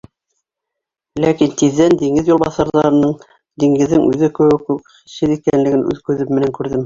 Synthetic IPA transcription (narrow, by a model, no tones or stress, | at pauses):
lækint̪iðːænd̪iŋɘðjulˠbɑθɑɾðɑɾɤnɤɴ | d̪iŋɡɘ̆ðːɘŋʔʉðɘkɘ̆wɘkʉk | iʃɘðikænlɘ̆ɡɘnʔʉ̰ðkʉðɘmːɘ̆næŋkʉɾðɘm